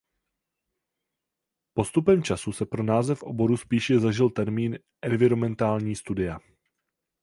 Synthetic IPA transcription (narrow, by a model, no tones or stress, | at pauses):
po̞st̪upɛmt͡ʃasusɛpɾo̞naːzɛfʔo̞̰bo̞ɾuspiːʃɛzaʒɪlt̪ɛɾmiːn | ʔɛnvɪɾomɛnt̪aːlɲiːst̪udɪja